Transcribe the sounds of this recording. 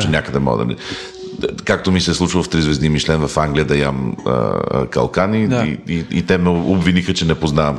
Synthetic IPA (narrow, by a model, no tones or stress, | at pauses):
t͡ʃɛnʲakəd̪ɛmɔ̰ɡə̰d̪ɐ̰nɛ | kak̚t̪omisɛslˠut͡ʃvəlˠft̪ɾizvɛzimiʃlɛnvɐfaŋɡlʲijəd̪ɐjamə̰kɐ̰lˠkaniiḭt̪ɛmɛobvinixət͡ʃɛnɛpoznavəm